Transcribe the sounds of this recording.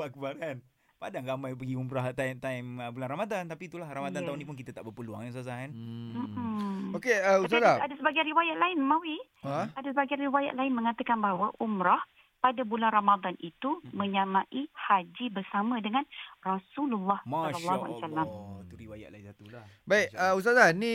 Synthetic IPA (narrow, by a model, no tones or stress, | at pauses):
baʔkəbaɾan | padaŋɾamãjpəɡiumɾaht̪at̪aiməbulanramad̪ant̪apiːt̪ulahramadanaunĩp̬unk̬it̪at̪aʔbəpəlua̰ŋaŋsas̬ahanm̩okeəusalaadasəbaɡajanɾiwajaʔlaɪnmãwi | adasəbaɡajanɾiwaja̰ʔ̪laɪnməŋat̪əkanbaɦwaʔumɾah | padabulanramad̪anit̪umə̃ɲamaʔihad͡ʒibərsamə̃dəŋanrasululːɑhmallːaɦua̰lsalamt̪uɾiwaja̰ʔ̪̚lainsat̪ulabaikəust̪azanĩ